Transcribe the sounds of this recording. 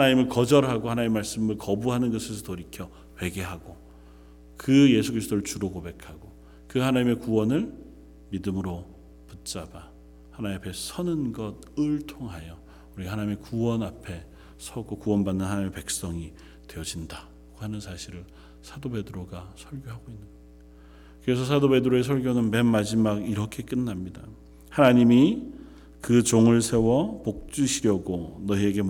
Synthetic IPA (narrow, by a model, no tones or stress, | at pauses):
hanaɲimɯɭkʌd͡ʑʌɾɦaɡohanaɲimːaɭs͈ɯmɯɭkʌbuɦanɯnɡʌsʰesʰʌtoɾikʰjʌ | we̞ɡe̞ɦaɡo | kɯje̞sʰuɡɯɾisʰt͈oɾɯɭt͡ɕuɾoɡobe̞kʰaɡo | kɯhanaɲime̞kuwʌnɯɭ | midɯmɯɾo | put̚t͡ɕ͈aba | hanaɲiapʰe̞sʰʌnɯnɡʌd̚ɯɭtʰoŋɦajʌ | uɾiɡahanaɲime̞kuwʌnapʰe̞ | sʰʌɡokuwʌnbanːɯnhanaɲimepe̞k̚s͈ʌŋi | twe̞ʌd͡ʑinda | ɡohanɯnsʰaɕʰiɾɯɭ | sʰadobe̞dɯɾoɡasʰʌɭɡjoɦaɡoinːɯnʌ | kɯɾe̞s̬ʰʌsʰadobe̞dɯɾoes̬ʰʌɭɡjonɯnme̞mːad͡ʑimaɡiɾʌkʰe̞k͈ɯnːamɲida | hanaɲimi | kɯt͡ɕoŋɯɭsʰe̞wʌpok̚t͡ɕ͈uɕʰiɾjʌɡonʌie̞ɡe̞